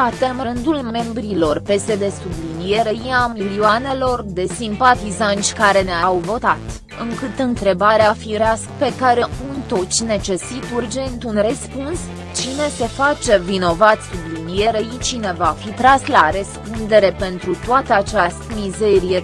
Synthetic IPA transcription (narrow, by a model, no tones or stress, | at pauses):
at̪emɾɨnd̪ulme̞mbɾilo̞rpe̞se̞d̪e̞sublinije̞ɾeɾiamiliuane̞lo̞rd̪e̞simpat̪izant͡ʃʲkaɾe̞neaawvo̞t̪at̪ | ɨŋkɨt̪ɨnt̪ɾe̞baɾeafiɾeaskpe̞kaɾeunt̪o̞t͡ʃʲne̞t͡ʃe̞sit̪urd͡ʒe̞nt̪unrespuns | t͡ʃine̞se̞fat͡ʃe̞vino̞vat̪sublinije̞ɾeit͡ʃine̞vafit̪ɾaslaɾəspund̪e̞ɾe̞pe̞nt̪ɾut̪oat̪əat͡ʃast̪mize̞ɾije